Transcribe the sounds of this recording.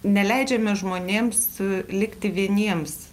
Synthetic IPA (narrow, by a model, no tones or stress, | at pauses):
nʲɛlʲɛɪd͡ʒʲɛmʲɛʒmoːnʲeːmslʲɪkt̪ʲɪʋʲiɛnʲiɛms